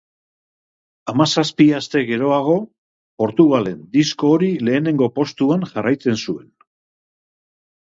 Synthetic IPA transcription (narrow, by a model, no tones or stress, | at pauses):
amasaspiast̪e̞ɣe̞ɾo̞aɣ̞o̞ | po̞ɾt̪uɣ̞ale̞nd̪isko̞ːɾile̞ːne̞ŋɡo̞po̞st̪uanʝarajt͡se̞nsue̞n